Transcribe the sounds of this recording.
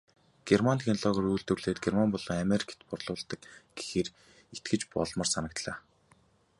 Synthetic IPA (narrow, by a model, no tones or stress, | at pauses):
ɡ̥ermant̪ʰxenɮɔɣɔ̆rujɮt̪ɵ̆rɮeːt̪ɡermanpɔɮɞ̆ːŋameɾʲik̆ʰt̪pʊrɮʊːɮt̪ə̆kɡ̥e̥xeːr | et̪̚ɡɘ̆t͡ɕpɔ̰ɮmə̆rsanə̆k̚t̪ɮaː